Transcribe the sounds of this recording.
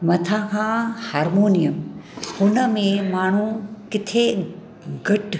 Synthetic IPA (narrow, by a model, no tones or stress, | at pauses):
mɐt̪ʰaːkʰãːhaːɾmoːnijəmhʊnəmẽmaːɳ̤ũkɪt̪ʰe | ɡɐʈ